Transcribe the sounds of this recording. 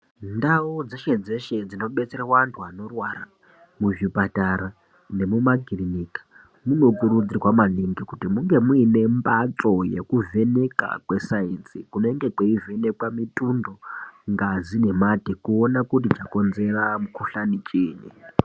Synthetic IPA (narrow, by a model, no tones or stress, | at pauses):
ndaud͡zeʃed͡ze̞ʃe̞d͡zino̞ɓe̞t͡seɾawantʰuano̞rwaɾa̰ | muʐipataɾa | ne̞mumaɡʱirinikḁ | muno̞kuɾud͡zirwamaniŋɡikutimuŋɡe̞muine̞mbat͡so̞jḛkuve̞ne̞ka̰kwe̞sainsikunoeŋɡe̞kweive̞ne̞kwamitʼundo̞ŋɡazine̞matekuonakut̬it͡ʃako̞nze̞ramukuɬanit͡ʃʼeːɲḛ